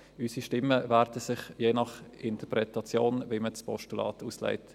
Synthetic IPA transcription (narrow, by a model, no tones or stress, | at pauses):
ysiʃtɪmːəvæːɾdəsɪχjeːnɑχʔɪntəpɾɛtɑt͡sjoːnviməspʰɔʃtulɑ̰ːtuːsla̰ɪt